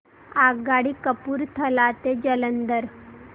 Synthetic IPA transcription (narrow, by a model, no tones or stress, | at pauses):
aɡaɽikəpuːɾt̪ʰəlat̪ed͡ʒələnd̪əɾ